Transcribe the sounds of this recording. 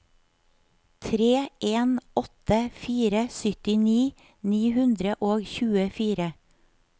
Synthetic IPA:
t̪ʰɾeːʔeːnɔt̪əfiːɾəsʏt̪ɪniː | niːhʉnd̪ɾəʔoːɡçʉːəfiːɾə

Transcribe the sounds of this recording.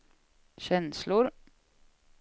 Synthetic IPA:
ɕɛnslʊɾ

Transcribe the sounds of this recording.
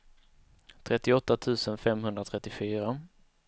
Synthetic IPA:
t̪ʰɾɛt̪ːɪɔt̪ːat̪ʰʉ̟ːsənfɛmɦɵnd̪ɾat̪ʰɾɛt̪ːɪfyːɾa

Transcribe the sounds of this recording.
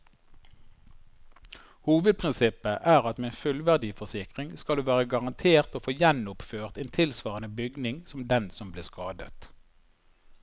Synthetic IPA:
huːʋəd̪̚pʰʁɪnsɪpəʔæːʁɑt̪meːeːnfʉlʋæʁd̪iːfɔʁsɪkʁɪŋskɑld̪ʉːʋæːʁəɡɑʁɑnt̪ʰeːʁt̪oːfoːjɛnʊpføːʁt̪eːnt̪ʰɪlsʋɑːʁənəbʏɡnɪŋsɔmd̪ɛnsɔmbleːskɑːd̪ə̰t̪

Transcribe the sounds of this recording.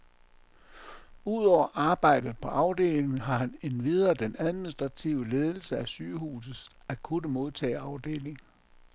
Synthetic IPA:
uð̞̰ˠɒʊ̰ɐʔɑ̈ːb̥ɑ̈ɪ̰d̥ð̩ˠpʰɒ̽ʔɑ̈ʊd̥e̝̰ːle̝ŋŋ̩ɦɑ̈hæne̝nʋiðˠɐːd̥enæðˠminisd̥ʁɑ̈t͡sʰiʊəle̝ːð̞ˠl̩səæsyːhṵːs̬ð̩ˠs | æ̥kʰunəmo̝ð̞ˠt͡sʰɛ̰ːɑ̈ʊd̥e̝̰ːle̝ŋ

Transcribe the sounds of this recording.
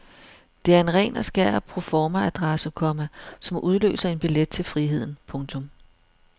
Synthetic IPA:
d̥e̝æɐe̝nʁɛ̰ːnæsɡ̥æɐ̰pʰʁo̝fɒːmææd̥ʁasəkʰɒ̽mæsɒ̽mʔuð̞ˠlø̰ːsɐe̝nb̥iled̥̚t͡sʰe̝lfʁiɦe̝ð̞̰ˠn̩pʰɔ̽ŋt͡sʰɔ̽m

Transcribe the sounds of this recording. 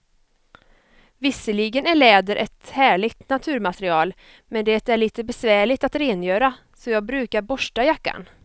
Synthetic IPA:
vɪsːəliɡənæɭɛːd̪əɾʔɛt̪hæːɭɪɡt̪nat̪ʰʉ̟ːɾmat̪ɾɪɑːl | mɛnd̪ɛt̪æɭiːt̪əbɛsvæːɭɪt̪at̪ɾeːnjøːɾa | sɔjɑːɡ̚bɾʉ̟ːkaɾbɔʂʈajakːa̰n

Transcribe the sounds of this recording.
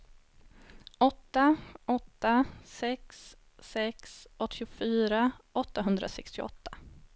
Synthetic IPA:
ɔt̪ːaɔt̪ːasɛksː | ɛksʔɔt̪ʰːɪʊfyːɾaɔt̪ːaɦɵnd̪ɾʔa̰sɛkst̪ɪɔ̰t̪ʰːḁ

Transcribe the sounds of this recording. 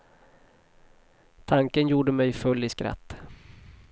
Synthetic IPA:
t̪ʰaŋkənjuːɖəmɛjfɵlːɪskɾa̰t̪ː

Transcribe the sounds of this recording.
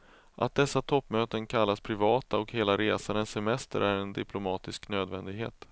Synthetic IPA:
ʔa̰t̪̚d̪ɛsːat̪ʰɔpːmøːt̪ənkʰalːaspʰɾɪvɑːt̪aɔkheːlaɾeːsanənsɛmɛst̪ə̰ɾʔæɾɛnd̪ɪpʰlʊmɑːt̪ɪsknøːd̪vɛnd̪ɪɡɦḛːt̪

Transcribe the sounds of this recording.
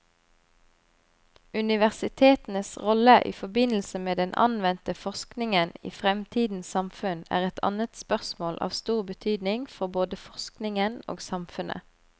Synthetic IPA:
ʉnɪʋæʁsɪt̪ʰeːt̪n̩əsʁɔləʔḭːfɔbɪnl̩səmeːd̪ɛnʔɑ̰nʋɛnt̪əfɔsknɪŋənḭːfʁɛmt̪ʰiːd̪n̩ssɑmfʉnæ̰ːʁɛt̪ʰɑ̰nət̪spœʁsmoːlʔɑ̰ːʋst̪uːʁbət̪ʰyːd̪nɪŋfɔboːd̪əfɔsknɪŋəno̰ːɡsɑmfʉnʔə̰

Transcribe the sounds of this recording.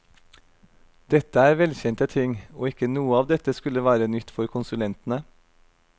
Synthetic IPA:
d̪̥ɛt̪əæːɾʋɛlçɛnt̪ət̪ʰɪŋoːɪkənuːəɑːʋd̪ɛt̪əskʉləʋæːɾənʏt̪fɔɾkʰʊnsʉlɛnt̪n̩ə

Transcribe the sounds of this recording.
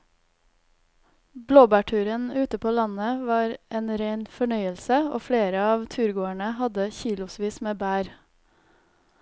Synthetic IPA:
bloːbæːʈʰʉːɾənʉːt̪əpʰoːlɑnəʋɑːɾʔeːnɾeɪnfɔɳœʏəlsəo̰ːfleːɾəɑːʋt̪ʰʉːɾɡoːæɳəhɑd̪əçiːlʊsʋiːsmeːbæːɾ

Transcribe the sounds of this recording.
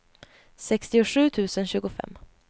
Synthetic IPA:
sɛkst̪ɪʊɧʉ̟ːt̪ʰʉ̟ːsənɕʉ̟ːɡʊfɛ̰mː

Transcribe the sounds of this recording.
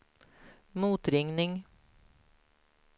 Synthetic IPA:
muːt̪ɾɪŋnɪŋ

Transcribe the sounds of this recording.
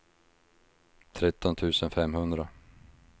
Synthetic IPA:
t̪ʰɾɛt̪ːɔnt̪ʰʉ̟ːsənfɛmhɵnd̪ɾa

